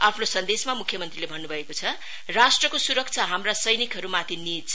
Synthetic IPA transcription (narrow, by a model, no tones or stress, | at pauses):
apʰnosʌnd̪esmamukʰjʌmʌnt̪rilebʱʌnːubʱʌekot͡sʰʌ | rasʈrʌkosuɾʌk̚t͡sʰaɦamrasʌjnikɦʌɾumat̪ʰinit͡sʰ